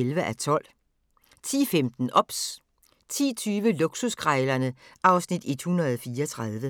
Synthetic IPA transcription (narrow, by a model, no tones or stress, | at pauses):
elʋəʔæt͡sʰɒ̽l̰ | t͡sʰḭːfemd̥n̩ʔɒ̽b̥s | t͡sʰḭːt͡sʰyːʋəluɡ̥susɡ̥ʰʁɑɪlɐnəʔɑ̈ʊsnid̥e̝d̥hunɐð̞ˠfiːɐɒt͡sʰʁɑð̞ˠʋə